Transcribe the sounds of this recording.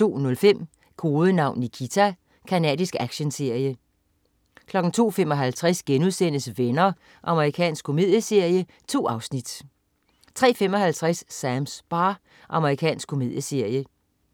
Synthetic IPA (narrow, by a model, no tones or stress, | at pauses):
t͡so̝̰ːnɔ̽lfem̰ | kʰo̝ːðˠənɑ̈ʊ̰nːikʰit͡sʰæ | kʰænɛ̰ːdˠisɡ̥æɡ̥ɕənse̝ɐ̰jə | kʰlɒ̽ɡ̥n̩t͡sʰo̝̰ːfem̰ɒ̽ɦælt͡sʰʁasɡ̥enuðˠsen̰əsʋenɐ | ʔɑ̈məʁikʰɛ̰ːnsɡ̥kʰːo̝me̝ð̰ˠjəse̝ɐ̰jə | t͡sʰo̝̰ːɑ̈ʊsnid̥ | t͡sʰʁɛ̰ːfemɒ̽hælt͡sʰʁasːæmsb̥ɑː | ʔɑ̈məʁikʰɛ̰ːnsɡ̥kʰo̝me̝ðˠjəse̝ɐ̰jə